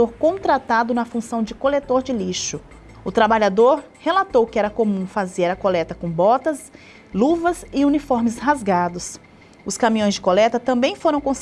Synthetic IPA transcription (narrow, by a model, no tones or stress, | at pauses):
oɾkõt̪ɾat̪ad̪ʊnɐfũsɐ̃w̃d͡ʒɪkolet̪oɾd͡ʒɪliʃʊ | ʊt̪ɾabaʎad̪oɾ | helat̪owkɪɛɾɐkomũfazeɾɐkolɛt̪ɐkõbɔt̪ɐs | luvɐzɪunifɔɾmɪshazɡad̪ʊs | ʊskɐmĩõj̃zd͡ʒɪkolɛt̪ɐt̪ɐ̃mbẽj̃foɾɐ̃w̃kõs